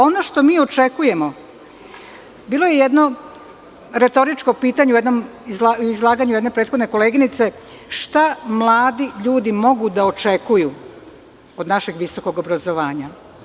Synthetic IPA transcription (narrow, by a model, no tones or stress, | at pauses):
o̞no̞ʃt̪o̞miːo̞t͡ʃe̞kuje̞mo̞ | biːlo̞je̞jed̪no̞ | ɾe̞t̪o̞ɾit͡ʃko̞piːt̪aɲeujed̪no̞mizlauizlˠaːɡaɲuje̞d̪nepɾet̪xo̞d̪ne̞ko̞leːɡinit̪se̞ | ʃt̪amlˠaːd̪iʎuːd̪imo̞ɡud̪aot͡ʃe̞kuju | o̞d̪naʃeɡʋiso̞ko̞ɡobɾazo̞ʋaːɲa